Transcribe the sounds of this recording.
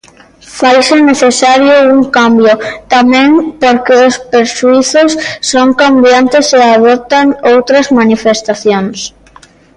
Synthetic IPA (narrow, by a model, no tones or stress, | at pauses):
fajseneθesaɾjʊuŋkambjʊt̪amẽŋpoɾkeospeɾʃuiθʊsːoŋkambjant̪eseaðop̚t̪aŋowt̪ɾɐzmanifest̪aθjoŋs